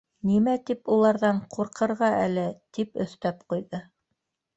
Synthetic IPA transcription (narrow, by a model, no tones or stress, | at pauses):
nimæt̪ipulˠɑɾðɑɴqʰuɾqɤ̆ɾʁɑʔælɘt̪ipɵ̰̆θt̪æpqujðɤ